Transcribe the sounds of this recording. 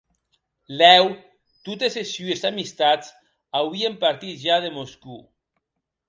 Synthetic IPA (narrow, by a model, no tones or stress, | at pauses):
lɛw | t̪ut̪esesyesamist̪at͡s | awβiempaɾt̪it̪ʒaðemosku